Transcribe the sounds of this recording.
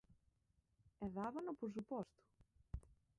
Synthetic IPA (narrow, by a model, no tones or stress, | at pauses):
eðavɐnopɾos̬upɔst̪u̥